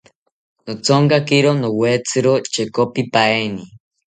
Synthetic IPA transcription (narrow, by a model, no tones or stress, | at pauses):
not͡sʰoŋkakiɾonoweːt͡sʰɨɾot͡ʃekopipaeni